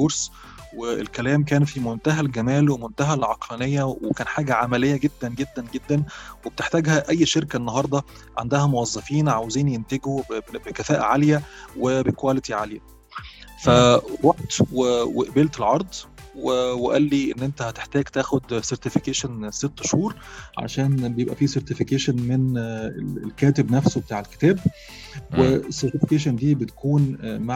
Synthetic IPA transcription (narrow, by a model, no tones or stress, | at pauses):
koɾs | weḛlkælæːmk̬æːnfimont̪æɦælɡæmæːlwemont̪æɦælʕɑqlænejːæwekæːnħaːɡæʕamælejːæɡed̪ːænɡed̪ːænɡed̪ːænwebet̪eħt̪æːɡhæʔæjːʃeɾkæʔenːɑɦɑɾˤd̪ˤɑ | ʕa̰nd̪æhæmowɑzˤːɑfiːnʕaweziːnjent̪eɡobekæfæːʔæʕaljæwebekwælet̪iʕaljæ | fæɾˤoħt̪weweʔbeːlt̪elʕɑɾˤd̪ˤweweʔælːiʔenːʔent̪æhæt̪e̥ħt̪æːɡt̪æːxod̪seɾˤt̪efikeːʃenset̪ːʃhuːɾˤʕa̰ʃæːnbejebʔæ̰fiːseɾˤt̪efikeːʃenmenelḛlkæːt̪ebnæfsobet̪aːʕelke̥t̪æːb̚ | weesːeɾt̪ɪfekeːʃ̬end̪iːbet̪æ̥kuːnmaʕ